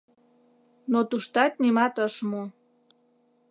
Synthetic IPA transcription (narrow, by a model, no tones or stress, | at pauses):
not̪uʃt̪ɑt̪̚nimɑt̪əʃmo